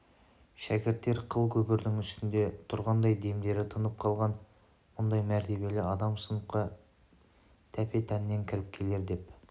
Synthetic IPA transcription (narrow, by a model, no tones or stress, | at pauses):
ʃækʲɪɾt̪ːe̞ɾqʰəlˠkʲʰɵbɪɾd̪ɪŋʏst̪ɪnd̪e̞t̪ʰʊɾʁɑnd̪ɑjd̪e̞md̪e̞ɾɪt̪ʰənəp̚qʰɑlˠʁɑn | mʊnd̪ɑjmæɾt̪ʰe̞βe̞lɪɑd̪ɑmsənəqɑ | t̪ʰæpe̞t̪ʰænɪːe̞ŋkʲʰɪɾɪp̚kʲʰe̞le̞ɾd̪e̞p